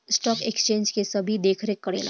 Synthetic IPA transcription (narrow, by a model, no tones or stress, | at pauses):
sʈɔːkekst͡ʃẽːnd͡ʒkesɐbʱid̪eːkʰɾekːəɽḛːla̰